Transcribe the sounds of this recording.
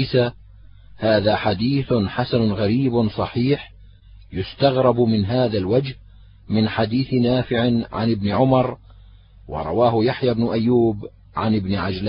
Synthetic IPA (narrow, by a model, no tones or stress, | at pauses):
sa | haːðaːħad̪iːθħasanʊɣaɾiːbsˤɑħiːħ | jʊst̪aɣɾˤɑbmɪnɦaːðalwad͡ʒh | mɪnħad̪iːθnaːfɪʕɪʕa̰nɪbnɪʕʊmɑɾˤ | wɑ̰ɾˤɑ̰waːhʊjaħjaːbnʊʔajːuːb | ʕanɪbnɪʕad͡ʒla